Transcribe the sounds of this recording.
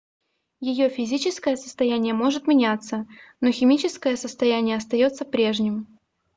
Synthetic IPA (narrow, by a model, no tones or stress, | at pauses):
jɪjo̞fʲɪzʲit͡ɕɪskəjəsə̥st̪ɐjænʲɪjəmo̞ʐɨt̪mʲɪnʲat̪sːəno̞xʲɪmʲit͡ɕɪskəjəsəst̪ɐjænʲɪjəɐst̪ɐjo̞t̪səpɾʲe̞ʐnʲɪm